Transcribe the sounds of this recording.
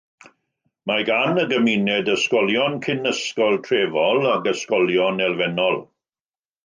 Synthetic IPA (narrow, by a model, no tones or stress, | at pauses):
maɡanəɡəminɛdəskɔljɔnkʰɪnəskɔlˠtʰreːvɔlaɡəskɔljɔnɛlˠvɛnɔlˠ